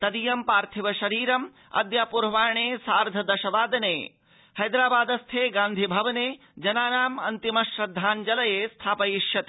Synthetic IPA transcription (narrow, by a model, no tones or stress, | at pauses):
t̪ɐd̪ijɐmpaːɾt̪ʰiʋɐʃɐɾiːɾɐm | ɐ̰d̪jaːpuɾʋaːɳeːsaːɾd̪ʱɐd̪ɐʃɐʋaːd̪ɐneː | hɐjd̪ɾaːbaːd̪ɐst̪ʰeːɡãːnd̪ʱibʱɐʋɐneː | d͡ʒɐnaːnaːmɐnt̪imɐʃɾɐd̪ʱːaːnd͡ʒɐlɐjeːst̪ʰaːpɐjiʃjɐt̪ː